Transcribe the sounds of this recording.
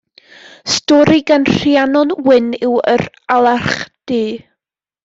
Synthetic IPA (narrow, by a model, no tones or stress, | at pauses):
stɔɾiɡanr̥janɔnwɪnɪwə̰ɾ | alˠaχd̥iː